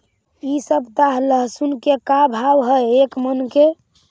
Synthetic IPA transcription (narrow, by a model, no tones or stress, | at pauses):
isəbt̪aɦləɦsunkekabʱawɦəekmənke